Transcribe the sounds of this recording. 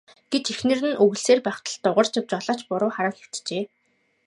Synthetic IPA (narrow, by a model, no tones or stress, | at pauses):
ɡ̥et̪ʰexnɘ̆rɘ̆nʔɵɣ̆ɮseːrpæːχt̪ə̆ɮt̪ːʊʁə̆r̥t͡ɕaw̥t͡ɕɔɮaːt͡ɕpʊɾʊːχaɾə̆ŋxʲew̥t̪t͡ɕeː